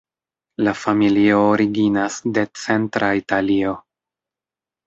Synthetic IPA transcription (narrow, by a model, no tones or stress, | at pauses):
lafamilio̞ːɾiɡinasde̞t͡se̞ntɾʔaitalio̞